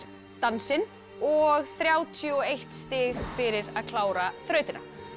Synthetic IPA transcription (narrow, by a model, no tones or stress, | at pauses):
t̪ansɪn | ɔɣθɾjaːwt̪ʰiɔejht̪st̪ɪːɣfɪɾɪɾaðkʰlaːwɾaθɾœɥt̪ɪna̰̥